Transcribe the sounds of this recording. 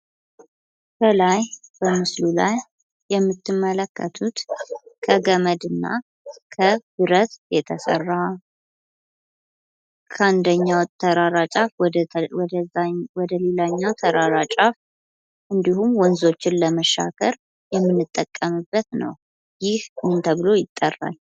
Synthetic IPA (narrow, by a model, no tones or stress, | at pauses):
kʰəlajb̥əmɨslula̰jː | ɛmːɨt̪ːɨmːələkːət̪ʰut̪kʰəɡəməd̪ɨnːa̰ | kʰəbɨɾət̪jɛt̪ʰəsə̰rːa | kʰəand̪əɲːawt̪ʰəɾaɾat͡ʃʼafw̪əwɔd̪əlelaɲːawt̪ʰəɾaɾat͡ʃʼaf | ʔɨnd̪ihumwɔnzo̞t͡ʃːɪnləməʃa̰kʰəɾ | jɛmːɨnːɨt̪ʼːəkʼːəmɨbːət̪nə̰w | jɪhmɨnt̪ʰəβɨlo̞jɪt̪ʼːərːa̰l